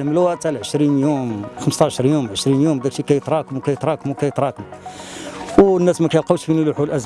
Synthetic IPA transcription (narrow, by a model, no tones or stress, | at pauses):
məlwæʔt̪ælʕəʃɾinjumxəmst̪ɑʕəʃɾˤjumʕəʃɾinjumd̪æklʃikæjət̪ɾˤɑkmwkæjət̪ɾˤɑkmwkæjət̪ɾˤɑkm | wnːæsmækæjəlqɑwʃkænjluħulʔæz